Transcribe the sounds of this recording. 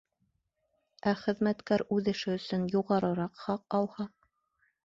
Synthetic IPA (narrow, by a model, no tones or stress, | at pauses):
æχɘ̆ðmæt̪kæɾʉðɘ̆ʃɘɵ̆sɵnjuʁɑɾɤ̆ɾɑqχɑq̚ɑlˠhɑ